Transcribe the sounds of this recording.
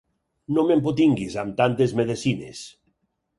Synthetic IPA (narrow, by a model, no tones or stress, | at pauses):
nõmempot̪iŋɡizamt̪ant̪ezmeðesinḛs